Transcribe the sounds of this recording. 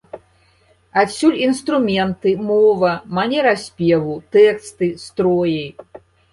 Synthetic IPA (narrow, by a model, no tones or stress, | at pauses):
asʲulʲinst̪ɾumʲɛnt̪ɨmɔvɐmanʲɛɾasʲpʲɛvut̪ɛkst̪ɨst̪ɾɔjɐj